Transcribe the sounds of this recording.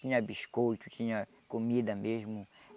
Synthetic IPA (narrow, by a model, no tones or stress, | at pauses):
t͡ʃĩɲɐbiʃkojt̪ʊ̥t͡ʃĩɲɐ | komid̪ɐmeʒmʊ